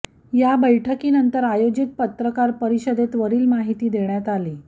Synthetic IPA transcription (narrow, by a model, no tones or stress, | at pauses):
jabəjʈʰəkiːnənt̪əɾajod͡ʑit̪̚pət̪ɾəkaɾpəɾiɕəd̪et̪ʋəɾiːlmaɦit̪iːd̪eɳjat̪aliː